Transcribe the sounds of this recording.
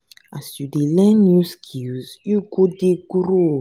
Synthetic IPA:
asjudelɛ̃nuskʰizjuɡodeɡuɾu

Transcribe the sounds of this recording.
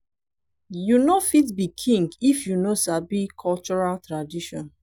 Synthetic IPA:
junofitbikʰĩŋɡifjunosabikʰɔlt͡ʃɔɹaltɹadiʃɔ̰̃n

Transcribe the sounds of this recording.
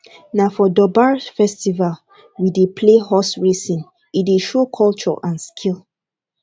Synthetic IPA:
nafɔdɔbaɹfɛstival | widepʰlehɔsɹesĩn | ideʃokʰɔlt͡ʃɔ̰ʔãnskʰil

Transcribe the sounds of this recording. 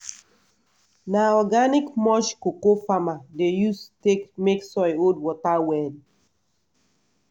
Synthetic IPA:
naɔɡanɪkmɔʃkokofamadejusttekmeksɔjod̚wɔtawɛn

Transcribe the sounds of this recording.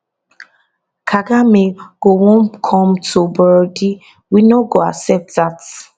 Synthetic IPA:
kʰaɡameɡ̥owõnkʰɔm̩tʰubədi | winoɡoa̰sɛp̚tðat

